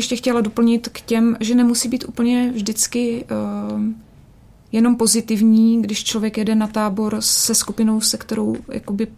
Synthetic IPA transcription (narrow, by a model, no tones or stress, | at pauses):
ɛʃcɛxcɛlado̞pl̩ɲɪt̪kcɛmʒɛnɛmusiːbiːt̪ʔṵːpl̩ɲɛvʒdɪt͡skɪ | jɛno̞mpo̞zɪt̪ɪvɲiːɡdɪʃt͡ʃlo̞vjɛkjɛdɛnat̪aːbo̞ɾsɛskupɪno̞wsɛkt̪ɛɾowja̰ko̞bɪ